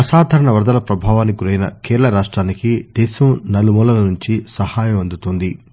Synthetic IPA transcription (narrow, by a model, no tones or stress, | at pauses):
ɐsaːd̪ʱɐɾɐɳɐʋɐɾd̪ɐlɐpɾɐbʱaːʋaːnikuɾɐjnɐ̰keːɾɐlɐɾaːʂʈɾaːnikid̪ɛːʃɐmnɐlumuːlɐlɐnuɲt͡ʃisɐhaːjɐmɐnd̪ut̪und̪i